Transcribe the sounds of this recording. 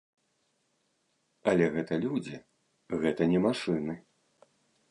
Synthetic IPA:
ɐlʲɛɣɛt̪ɐlʲud͡zʲi | ɣɛt̪ɐnʲɛmaʂɨnɨ

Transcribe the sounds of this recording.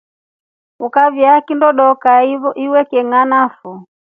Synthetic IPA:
ukavjakindɔɗɔkaiɔʔiwɛkɛŋanafu

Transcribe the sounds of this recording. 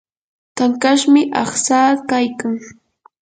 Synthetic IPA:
t̪aŋkaʃmɪʔɑχsaːkajkaŋ

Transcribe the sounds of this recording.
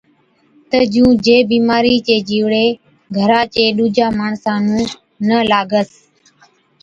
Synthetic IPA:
t̪əd͡ʒũːd͡ʒeːbiːmaːɾiːt͡ʃeːd͡ʒiːʋɽeː | ɡʱəɾãːt͡ʃeːɗuːd͡ʒaːmaːɳsãːnũː | nəlaːɡəs

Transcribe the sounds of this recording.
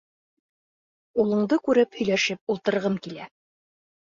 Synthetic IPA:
ulˠɤ̆ɴd̪ɤkʉɾɘphɵ̆jlæʃɘp̚ulˠt̪ɤ̆ɾʁɤmkilæ

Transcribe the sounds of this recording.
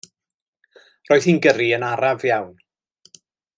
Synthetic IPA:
roːjðinɡəɾiənaɾavjawn

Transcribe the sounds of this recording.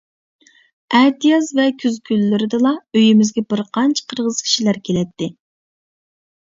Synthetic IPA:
ɛt̪ijɑzvɛkʲʰyzkʲʰylːyɾɪd̪ɨlˠɑøjimɪzɡʲɛbɪɾqʰɑnt͡ʃʰqʰəɾʁəz̥kʲʰi̥ʃilæɾkʲʰelɛt̪ːɪ

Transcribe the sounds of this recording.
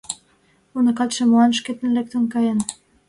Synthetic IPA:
unɤ̆kɑt̪ʃĕmoɑnʃket̪ə̆nlek̚t̪ə̆nkɑjən

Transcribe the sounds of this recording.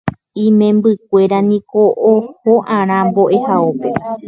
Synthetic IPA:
ĩmẽmbɨk̚ʷe̞ɾanĩkoʔːhoʔãɾ̃ãmbo̞ʔe̞haope

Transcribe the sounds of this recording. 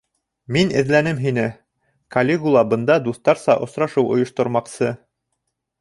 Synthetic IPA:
minɘ̰̆ðlænɘmɦinɘ | kɐlʲeɡulˠɑbɤ̆nd̪ɑd̪uθt̪ɑɾsɑʔŏsɾɑʃɤwʔŏjŏʃt̪ŏɾmɑqsɤ

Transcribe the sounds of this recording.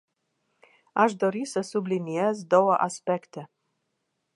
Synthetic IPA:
aʃd̪oɾisəsubliniezd̪owaʔaspekt̪e

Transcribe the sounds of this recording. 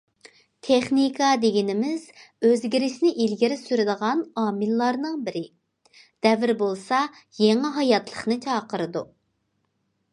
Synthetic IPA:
t̪ʰeχnikʰɑd̪eɡʲinɪmɪz̥øzɡʲiɾɪʃnɪʔilɡʲiɾɪsyɾɪd̪əʁɑnɑːmɨlˠːɑɾnɨŋbɪɾɪ | d̪̥ɛvɪɾbolˠsɑ | jeŋɪɦɑjɑt̪ʰlˠəχnɨt͡ʃʰɑːqəɾɨd̪u

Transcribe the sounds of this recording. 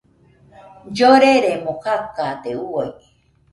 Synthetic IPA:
d͡ʒoɾeɾemokakat̪euoj

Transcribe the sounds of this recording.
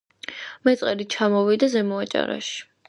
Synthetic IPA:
mɛt̪sʼqʼɛd̪it͡ʃʰamɔvid̪azɛmɔat͡ʃʼa̰ɾa̰ʃi̥

